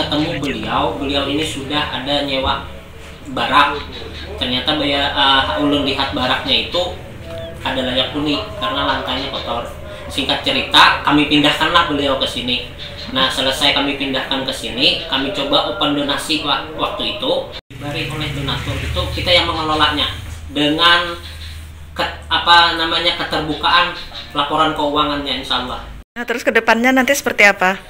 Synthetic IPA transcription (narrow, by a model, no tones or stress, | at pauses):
kət̪əmubəliawbəliawinisudaha̰daɲewa | baɾak̚ | t̪ərɲat̪abəhaʔulʊnliɦat̪̚baɾak̚ɲait̪u | adalajak̚dunɪkarənalaŋkaɲakot̪ɔr | siŋkat̪̚t͡ʃəɾit̪akamipindahkanlahbəliawkəsini | nahsələsajkamipindahkankəsinikamit͡ʃobaʔokəndonasiwawak̚t̪uit̪u | baɾiolɛhdonat̪ɔrit̪ukit̪ajaŋməŋəlolaʔ̚ɲadəŋan | kəapanamaɲakət̪ərbukaʔanlapoɾankəuwaŋanɲainʃaːlːah | naht̪əɾʊskədəpanɲanant̪isə̥pərt̪iapa